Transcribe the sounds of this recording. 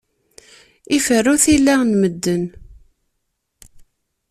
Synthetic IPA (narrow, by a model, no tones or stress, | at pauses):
ifərːʊθilːænməd̪ːən